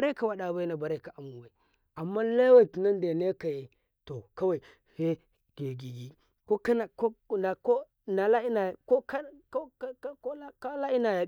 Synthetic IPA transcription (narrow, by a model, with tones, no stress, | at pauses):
a˨ɾe˦ka˨wa˨ɗa˨ba˦jna˨ba˨ɾe˦˨ka˨ʔa˨mu˨wa˨ | a˨mːa˦la˦wa˦˨tu˨na˦n˦de˨ne˦ka˨je˨ | to˨ka˦wa˨i˨ | fe˦ | ɡ̥e˨ɡi˨ɡi˨ | ko˦ka˦na˨ko˦a˨ko˦ | na˨la˦i˦na˨ja˨ko˦ka˦ | ko˦ka˦la˦i˦na˨ja˨